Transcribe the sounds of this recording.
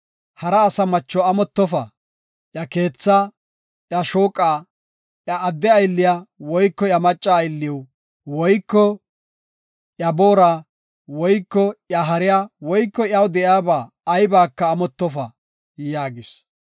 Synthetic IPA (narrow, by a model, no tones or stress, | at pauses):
hɐɾɐːsɐmɐt͡ʃːɔɐmɔt̪ːɔfɐ | ʔjɐke̞ːt͡sːaː | ʔjɐʃoːkʼːaː | ʔjɐʔːd̪ːɛɐjlːɪjawɔjkːɔjɐmɐt͡ʃʼːaːjlːɪw | wɔjkːɔ | ʔjɐbo̞ːɾaː | wɔjkːɔʔjɐɦɐɾɪjaːwɔjkːɔjɐwd̪ɛʔjaːbaː | jbaːkːɐːmɔt̪ːɔfɐ | jaːɡɪs